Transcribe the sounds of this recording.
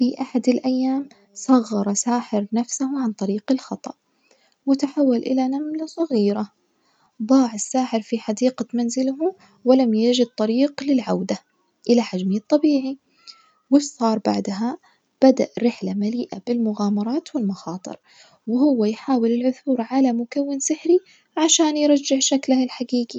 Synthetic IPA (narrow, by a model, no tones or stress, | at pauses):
fiʔaħad̪ɪlʔajːaːm | sˤɑɣːɑɾˤsaːħɪɾnafsahʕant̪ˤɑɾiːqɪlxɑt̪ˤɑ̰ʔ | wɪt̪aħawːalʔɪlanamlasˤɑɣiːɾa | d̪ˤɑːʕɪsːaːħɪɾfiħad̪iːqamanzɪlɦʊ | wɪlamjad͡ʒɪd̪̚t̪ˤɑɾiːqlɪlʕawd̪a | ʔɪlaħad͡ʒmit̪ˤːɑbiːʕi | wɪsˤɑːɾˤba̰ʕd̪aɦa | b̥ad̪a̰ʔɾɪħlamaliːʔabɪlmʊɣaːmɑɾˤɑːt̪wɪlmɑxɑːt̪ˤɨ̰ɾ | wɪhʊwːajħaːwɪlɪlʕʊθuːɾʕalamʊkawːɪnsɪħɾi | ʕaʃaːnjɾˤɑd͡ʒːɪħʃaklahɪlħaɡiːɡi